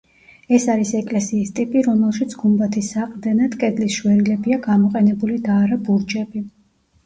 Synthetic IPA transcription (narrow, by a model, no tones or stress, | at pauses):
ɛsaɾisɛkʼlɛsiːst̪ʼipʼiɾɔmɛlˠʃit̪sʰɡumbat̪ʰisaqʼmd̪ɛnad̪̥kʼɛd̪lisʃwɛɾilɛbiaɡamɔqʼɛnɛbulid̪aːɾabuɾd͡ʒɛbi